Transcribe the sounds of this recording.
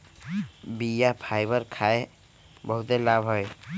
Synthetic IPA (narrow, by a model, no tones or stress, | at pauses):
bijapʰajbəɾkʰae | bəɦut̪elabɦoj